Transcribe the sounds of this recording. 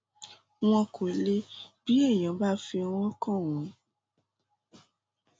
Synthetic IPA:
w̃ɔ̃˧kʰo˨e˨˦le˦b̥i˨˦e˦˨j̃ã˨˦ba˦fi˧a˧wɔ̃˦ɔ˦kã˦˨w̃ɔ̃˨˦

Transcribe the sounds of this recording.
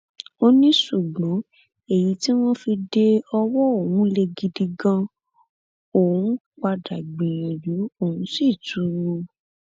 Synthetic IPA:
o˦nĩ˦ʃu˦˨ɡ͡bɔ̃˨˦ | e˨ji˨˦ti˦w̃ɔ̃˦fi˧de˧ɔ˧wɔ˦o˨wũ˨˦le˧ɡi˧di˧ɡã˧ | o˨wũ˨˦k͡pa˧da˨ɡ͡bĩ˨j̃ĩ˨lu˨˦o˦˨ũ˨˦si˦˨tu˨˦ɾo˧

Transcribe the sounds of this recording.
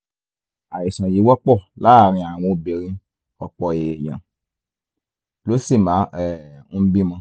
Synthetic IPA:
a˨ji˨sã˨ji˨˦wɔ˦k͡pɔ˦˨la˨˦˨ɾ̃ĩ˧a˨w̃ɔ̃˧˨be˨ɾĩ˧ | ɔ˨k͡pɔ˨e˨jã̰˨ | lo˨˦si˦˨mã˨˦ɛ˦˨n̩˦bĩ˦mã˧

